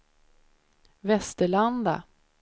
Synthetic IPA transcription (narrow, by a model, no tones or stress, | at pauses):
vɛst̪əɭand̪a̰